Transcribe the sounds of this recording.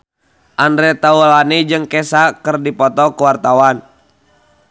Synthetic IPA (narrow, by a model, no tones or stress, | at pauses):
ʔandɾɛt̪aulanid͡ʒɨŋkɛsakərdipɔt̪ɔkuwart̪awan